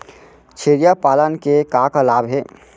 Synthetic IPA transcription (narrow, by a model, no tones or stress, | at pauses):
t͡ʃʰeːɾijapaːlənkekaːkalaːbɦɛː